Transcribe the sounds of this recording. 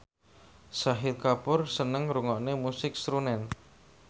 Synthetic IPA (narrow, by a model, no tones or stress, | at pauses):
saɦɪlkapʊrsənəŋɾuŋɔʔnemusɪk̚sɾunɛn